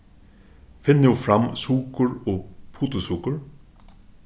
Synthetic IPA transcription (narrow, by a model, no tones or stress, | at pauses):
fɪnːɪufɾamːsuːkʊɹɔpʰuːt̪ʊsuːkʊɹ